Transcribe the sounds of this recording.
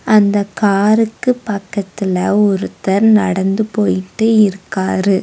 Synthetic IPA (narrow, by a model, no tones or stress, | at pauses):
ɐnd̪ɐkaːɾɯkːɯpɐkːɐt̪ːɪlɐɔɾɯt̪ɐɾnɐɽɐnd̪ɯpoːjɪʈːɯɪɾɯkːaːɾɯ